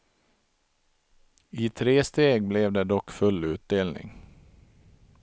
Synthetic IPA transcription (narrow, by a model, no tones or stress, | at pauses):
ɪt̪ʰɾeːst̪eːɡ̚blɛvd̪ɛd̪ɔkːfɵlːʉ̟ːt̪̚d̪eːlnɪ̰ŋ